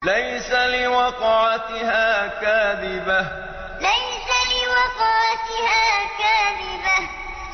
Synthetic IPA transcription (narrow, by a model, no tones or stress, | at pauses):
lajsalɪwɑqʕat̪ɪɦaːkaːðɪba | lajsalɪwɑqɑʕat̪ɪhaːkaːðɪba